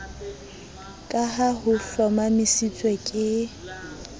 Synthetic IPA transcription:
kʼaɦaɦʊfɔmamɪsit͡sʼwekʼɪ

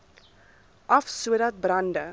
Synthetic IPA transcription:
ʔɐfsuəɾɐt̚brɐndə

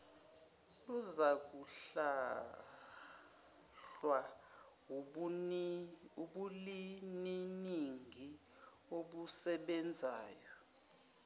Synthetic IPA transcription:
luzak̬uɬa | ɬwa | uɓulininiŋɡʱi | oɓusɛɓɛnd͡zʱaːjɔ

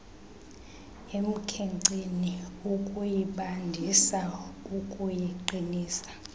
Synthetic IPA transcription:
em̩kʰɛŋǀiniukʼujiɓandʱisaukʼujiǃiniːsḁ

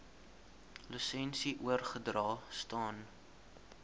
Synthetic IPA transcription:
ləsɛnsiʔuərχədrɑːstɑːn

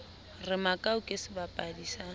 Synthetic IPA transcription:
rɪmakʼaukʼesɪbapʼadisa

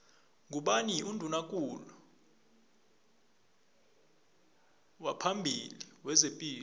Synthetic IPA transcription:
ŋuɓaniundʱunakʼulɔ | wapʰambʱiliwɛzepʼiː

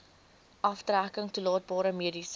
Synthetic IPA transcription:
ʔɐftrækəŋtulɑːt̚bɑːɾəmiədis

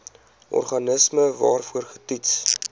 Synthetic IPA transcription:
ʔɔ̰rχɐnəsməvɑːrfuərχə̥tits

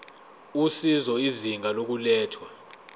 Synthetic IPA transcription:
usizɔiziŋʱalok̬ulɛːtʰwa

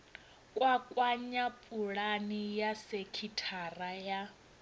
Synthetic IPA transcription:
kʼwakʼwaɲapʼuɺanijasekʰitʰaraja

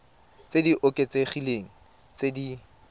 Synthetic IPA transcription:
t͡sediʔʊkʼet͡seχileŋ̩ | t͡sedi

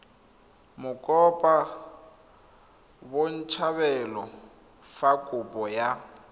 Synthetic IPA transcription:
mʊkʼɔpʼa | won̩t͡ʃʰaβɛlɔ | fakʼʊpʼɔja

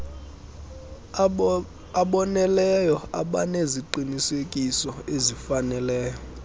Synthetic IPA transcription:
aɓɔnɛlɛjɔa̰ɓaneziǃinisekʼisɔezifanɛlɛːjɔ

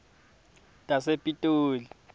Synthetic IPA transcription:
tʼasepʼitʼuːli

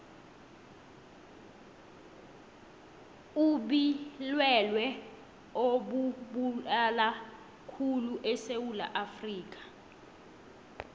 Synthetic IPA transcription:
uɓilwɛlwɛ | oɓuɓulala | kʰuluʔɛsewula̰ʔafriːk̬ḁ

